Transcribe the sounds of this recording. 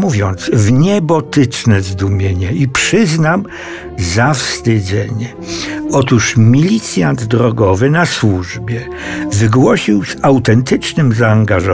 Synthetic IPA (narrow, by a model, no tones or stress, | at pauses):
muvʲjɔnt̪svɲɛbɔt̪ɘt͡ʂnɛzd̪umʲjeɲɛipʂɘznam | zafst̪ɪd̪zɛɲɛ | ɔt̪uʂmʲilʲit̪sʲjand̪d̪ɾɔɡɔvɘnaswuʐbʲjɛ | vɘɡwɔɕiwz̥awt̪ɛnt̪ɘt͡ʂnɘmzaːŋɡaʐɔ